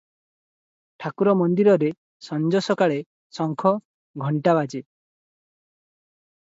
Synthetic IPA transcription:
ʈʰakuɾɔmɔnd̪iɾɔɾe | sɔnd͡ʒɔsɔkaɭe | sɔŋkʰɔ | ɡʱɔɳʈabad͡ʒe

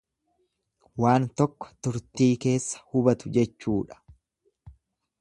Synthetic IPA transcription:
waːnt̪ɔkːɔ̥t̪ʊɾt̪iːke̞ːsːɐ̥hʊbɐt̪ʊd͡ʒɛt͡ʃːuːᶑɐ̥

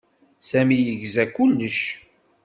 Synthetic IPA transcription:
sæmijəʝzækːʊlːəʃ

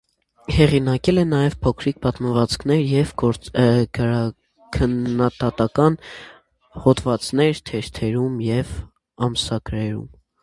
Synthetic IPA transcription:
hɛʁinɑkɛlɛnɑjɛvpʰɔkʰɾik̚ʰpɑt̪məvɑt͡skʰnɛɾjɛvɔɾɡɾɑ | kʰənːɑt̪ɑt̪ɑkɑn | hɔt̪vɑt͡snɛɾt̪ʰɛɾt̪ʰɛɾumjɛv | ɑmsɑkɾɛɾṵm

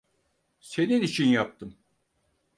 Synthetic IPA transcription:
se̞ninit͡ʃʰinjap̚t̪ʰɯm

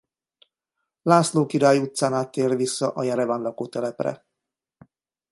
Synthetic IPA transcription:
laːsloːkiɾaːjut̪saːnaːt̪ːeːrvisːɒʔɒjaɾɛvaːnlɒkoːt̪ɛlɛprɛ̰

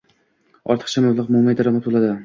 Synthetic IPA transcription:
ɒ̰ɾt̪ʰɨ̥χt͡ʃʰamablˠaqmʊmajd̪aɾamat̪bolˠad̪ɪ

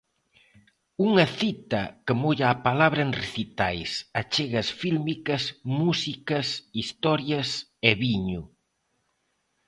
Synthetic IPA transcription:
uŋɐθit̪ɐ̰kəmoʎaapalaβɾɐenreθit̪ajsat͡ʃeɣɐsfilmikɐsmusikɐsist̪ɔɾjɐseβiɲʊ

